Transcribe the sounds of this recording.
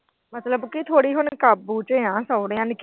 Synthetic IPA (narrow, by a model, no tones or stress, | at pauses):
mət̪ləbkit̪ʰoːɽiːɦʊnkaːbuːt͡ʃəãːsəːɽeãːnɪk